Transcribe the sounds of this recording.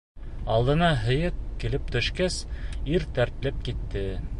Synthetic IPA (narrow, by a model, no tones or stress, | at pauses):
ɑlˠd̪ɤ̆nɑɦɤ̆jɤp̚kilɘp̚t̪ɵ̆ʃkæsiɾt̪æɾt̪̆lɘp̚kit̪ːɘ